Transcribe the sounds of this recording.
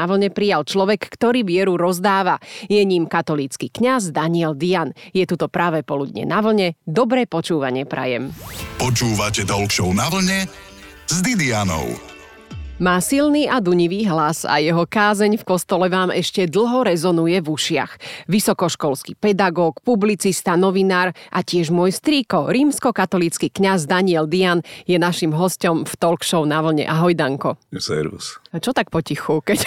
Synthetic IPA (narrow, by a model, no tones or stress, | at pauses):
aʋl̩ɲɛpɾijalt͡ʃlɔʋɛkːt̪ɔɾiːʋɪɛɾuɾɔzd̪aːʋajɛɲimkat̪ɔliːt͡skikɲazd̪aɲɪɛld̪ianjɛt̪ut̪ɔpɾaʋɛːpɔlud̪ɲɛ̰naʋl̩ɲɛd̪ɔbɾɛːpɔt͡ʃuːʋaɲɪɛpɾʔa̰jɛ̰mpɔt͡ʃuːʋacɛd̪ɔlkʃɔʊnaʋl̩ɲɛ | zd̪id̪ianɔ̰ʊ | maːsilniːad̪uɲiʋiːɦlasa̰jɛɦɔkaːzɛɲfkɔst̪ɔlɛʋaːmɛʃcɛd̪l̩ˠɦɔɾɛzɔnujɛvuʃɪa̰xʋisɔkɔʃkɔlskipɛd̪aɡɔːkpublit͡sist̪anɔʋinaːɾʔacɪɛʒmʊɔjst̪ɾiːkɔɾiːmskɔkat̪ɔlit͡skiːkɲazd̪aɲiɛld̪ianjɛnaʃimɦɔscɔmft̪ɔlkʃɔʊnaʋl̩ɲɛ̰ʔaɦɔjd̪aŋkɔsɛ̰ɾṵst͡ʃɔt̪ak̚pɔcixukɛc